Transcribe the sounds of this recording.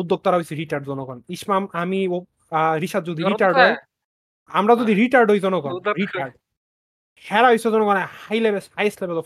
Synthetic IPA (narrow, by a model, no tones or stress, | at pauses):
ud̪ːok̚t̪ɔɾaɦojsʰiɾiʈaɾɖzɔnɔɡɔniʃmamamio | ɾiʃad̪̚zod̪ʱiɾiʈaɾɖɔj | a̰mɾazod̪ʱiɾiʈaɾɖʱojzɔnɔɡɔɾiʈaɾɖ | hɛɾaɦojsɔzɔnɔɡɔnahajlebeshajslebet̪ɔ